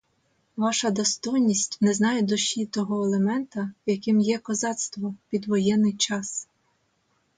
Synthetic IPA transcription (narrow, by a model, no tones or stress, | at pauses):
ʋɑʃɐd̪ɔst̪ɔjnʲisʲtʲnɛznɑjed̪ʊʃʲit̪ɔɦɔelˠemɛnt̪ɐjɐkɪmjɛkɔzɑt̪st̪ʋɔpʲid̪ʋɔjɛnːɪjt͡ʃɑs